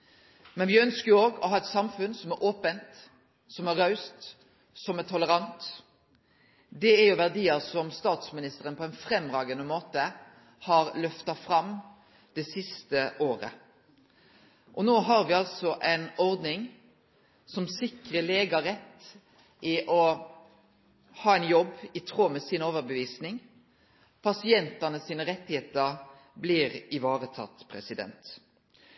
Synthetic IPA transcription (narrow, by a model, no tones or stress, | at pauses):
mɛnʋɪœnskəjoːɡɔ̰ɦɑːɛt̪sɑmfʉnsɔmæɾʔoːpənt̪ | sɔmæɾɑʉst̪ | sɔmɛʈ̪ʰɔləɾɑnt̪ | d̪ɛæɾjʊʋæʁd̪iːəɾsɔmst̪ɑːt̪smɪnɪst̪əɾənpʰɔɛɪnfɾɛmːʁɑːɡənəmoːt̪ə | hɑɾlœft̪ɑfɾɑm | d̪̥ɛsɪst̪əʔoːɾə̰ | ʔɔnoːɦɑɾʋɪːɑlsɔʔɛɪnɔʁd̪nɪŋ | sɔmsɪkʁəleːɡɑɾɛt̪ː | ʔɪʔɔ | hɑːɛɪnjɔbːɪt̪ʰʁoːmɛsiːnoːʋəɾbəʋiːsnɪŋ | pʰɑsɪɛnt̪ɑnəsiːnəʁɛt̪ːɪheːt̪əʁ | bliːʁɪʋɑːʁət̪ʰɑ̰t̪ːpʰʁɛsɪd̪ɛ̰nt̪